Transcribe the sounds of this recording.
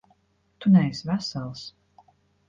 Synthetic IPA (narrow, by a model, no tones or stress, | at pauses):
t̪unɛjsvæsalˠs